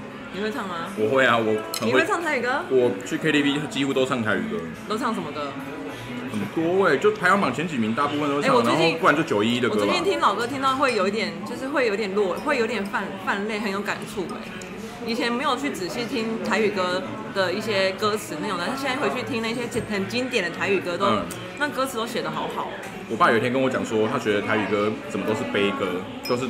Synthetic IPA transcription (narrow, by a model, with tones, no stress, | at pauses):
ni˨˩xwe˥˧ɪt͡sʰɑ˥˩ŋma˧wɔ˨˩xwe˥˩ɪa˨˩wɔ˨˩ə˨n˨we˥wt͡sʰɑ˥˩ŋt̪ʰa˥ɪy˨˩kɤ˥wɔ˨˩t͡ɕʰy˥˩kʰe˥ɾi˥˧pi˥t͡ɕi˥xu˥˧t̪o˥sʰɑ˥˩ŋt̪ʰa˧˥ɪy̰˨˩kɤ˥ | t̪o˥ʊt͡sʰɑ˥˩ŋʂə˧˥mə˧d̪ə˧ | xə˨˩nt̪wɔ˥we˥˩ɪt͡ɕjo˥˩ʊpʰa˧˥ɪjɑ˥ŋmɑ˨˩ŋt͡ɕʰjɛ˧˥nt͡ɕi˨˩mi˧˥ŋt̪a˥˧pu˥˧fə˨nt̪o˥e˥˩˥wɔ˨˩a˥˧˦xo˥˧ʊwa˥˨nt͡ɕjo˥˩ʊt͡ɕjo˨˩ʊi˥i˥də˨ə˦˧˥jɛ˥nt̪ʰi˥ŋlɑ˨˩ʊkɤ˥t̪ʰi˥ŋt̪ɑ˥˧ʊxwe˥˩ɪjo˧ʊi˥˩t̪jɛ˨˩˦nt͡ɕjo˥˧ʊʂɻ̩˥˧xwe˥˩jo˧˥ʊ˥t̪jɛ˨˩nlwɔ˥˩xwe˥˩ɪjo˧˥t̪jɛ˨˩nfa˥˧nfa˥˧nle˥˩ɪxə˨˦njo˧˥ʊka˨˩nʈ͡ʂʰu˥˩wḛ˨˩˦ | i˨˩t͡ɕʰjɛ˧˥nme˧˥ɪjo˨˩ʊt͡ɕʰy˥˩t͡sɹ̩˨˩ɕi˥˩t̪ʰi˥ŋt̪ʰa˧˥ɪy˨˩kɤ˥ | d̪̥ə˨i˥˩ɕjɛ˥kɤ˥t͡sʰɹ̩˧˥na˧˥˩jo˥˧ŋt̪̩˥˧˥jɛ˥˧nt͡sa˥˧wt͡ɕʰy˥˩t̪ʰi˥ŋna˥˩i˧ɕjɛ˥t͡ɕxə˨˩nt͡ɕi˥nt̪jɛ˨˩nd̪ə˩t̪ʰa˧˥ɪy˨˩kɤ˥t̪o˥˧˩ | na˥˩kɤ˥t͡sʰɹ̩˧˥t̪o˥ʊɕjɛ˨˩d̪ə˦xɑ˧˥ʊxɑ˨˩˦ʊ | wɔ˨˩pa˥˩jit̪ʰjɛ̃˥ŋkə˥nwɔ˧˦t͡ɕjɑ˨˩ŋswɔ˥t̪ʰa˥t͡ɕɥɛ˧˥d̪ə˧t̪ʰa˧ɪy˨˩kɤ˥t͡sə˨˩mə˦t̪o˥ʊʂ̬ɻ̩˥˩pe˥ɪkɤ˥ | t̪o˥˧ʊʂ̬ɻ̩˥˩